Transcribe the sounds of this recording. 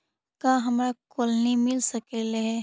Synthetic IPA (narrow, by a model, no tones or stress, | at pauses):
kaːɦɐmɾakolnimɪlsɐkeleɦɛ